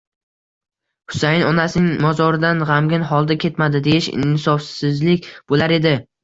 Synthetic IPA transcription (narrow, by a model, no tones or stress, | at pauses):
hʊ̥sajɪnɒnasɪnɪŋmɒzɒɾɪd̪anʁamɡʲɪnɦɒlˠd̪akʲʰe̞t̪mad̪ɪd̪e̞jɪʃɪ̰nnɪsɒfsɪzlɪkʲb̥olaɾe̞d̪ɪ